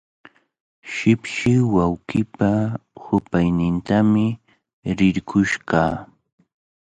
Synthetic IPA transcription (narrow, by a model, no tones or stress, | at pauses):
ʃɪpʃɪwawɢɪpahʊpajnɪnt̪amɪ | ɾɪɾkʰʊʃɢɑː